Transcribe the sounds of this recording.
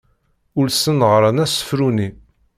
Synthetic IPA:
ʊlsənʁɾˤənæsə̥fɾuni

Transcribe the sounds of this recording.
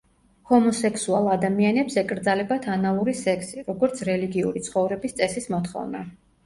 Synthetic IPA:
hɔmɔsɛkʰsualˠad̪amianɛpsɛkʼɾd̪zalɛbat̪ʰanalˠuɾisɛkʰsiɾɔɡɔɾt̪sʰɾɛliɡiṵɾit̪sʰχɔvɾɛbist̪sʼɛsismɔt̪χɔ̰vna

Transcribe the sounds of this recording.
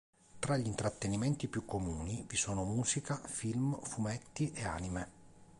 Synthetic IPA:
t̪ɾaʎːint̪ɾat̪ːenimɛnt̪ipjukːomuːnivisoːnomuːzikafilmfumɛt̪ːiʔea̰ːnime

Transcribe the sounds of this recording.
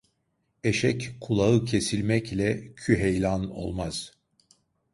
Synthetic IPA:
e̞ʃɛckʰːulˠaɯcʰesilʲmɛclʲɛcʰyɦejlʲano̞̰lˠmaz̥

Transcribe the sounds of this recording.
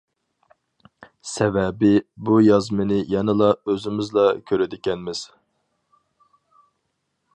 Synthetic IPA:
sɛvɛbɪbujɑzmɨnɪjɛnɪlˠɑøzɪmɪzlˠɑkʲʰøɾɪd̪ɪkʲɛnmɪz̥

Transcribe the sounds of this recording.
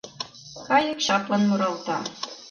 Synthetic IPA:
kɑjɤ̆kɕɑplɤ̆nmŏɾɑlt̪ɑ

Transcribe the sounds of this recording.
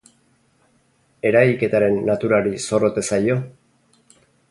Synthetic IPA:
e̞ɾajke̞t̪aɾe̞nːat̪uɾaɾiso̞ro̞t̪e̞sajo̞

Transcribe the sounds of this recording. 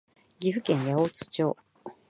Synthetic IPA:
ɡʲiɸɯ̟kẽɰ̃jaoːt͡sɨ̥t͡ɕoː

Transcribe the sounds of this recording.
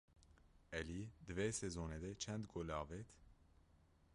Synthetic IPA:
ɛlid̪ɨvesezoːned̪ɛt͡ʃʰɛnd̪ɡolɑːvet̪ʰ

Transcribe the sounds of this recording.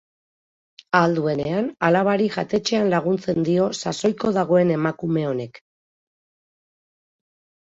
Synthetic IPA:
ald̪ue̞ne̞analaβ̞aɾiʝat̪e̞t͡ʃe̞anlaɣ̞unt͡se̞nd̪io̞saso̞jko̞ðaɣ̞o̞e̞ne̞makume̞o̞ne̞k

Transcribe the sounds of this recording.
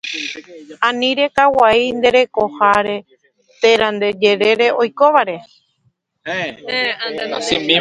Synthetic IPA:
ãnĩɾe̞kawaind̪e̞ɾe̞ko̞haɾe̞ | t̪eɾãnd̪e̞d͡ʒe̞ɾe̞ɾe̞ʔo̞jko̞ʋaɾe̞ | eãnsĩbi

